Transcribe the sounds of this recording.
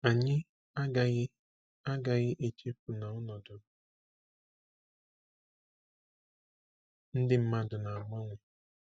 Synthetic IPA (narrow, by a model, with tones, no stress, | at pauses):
a˨ɲɪ˦ | a˦ɡa˨ɣɪ˦ | a˦ɡa˨ɣɪ˦ʔe˨t͡ʃe˦pu˨na˨ɔ˦nɔ˨dʊ˨˦ | n̩˦dɪ˦m̩˦ma˦dʊ˨na˨a˨ma˦ŋʷe˨